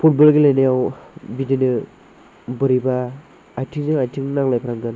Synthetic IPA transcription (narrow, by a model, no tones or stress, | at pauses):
pʰut̚bɔlɡilajnajawbidinɯ | bɯɾibaː | jtʰiŋzɯŋajtʰiŋnaŋlajpʰɾaŋɡɯn